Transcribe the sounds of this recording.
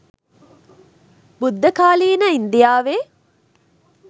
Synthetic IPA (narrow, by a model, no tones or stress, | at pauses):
bud̪ʱːɐkaːliːnəind̪ijaːʋeː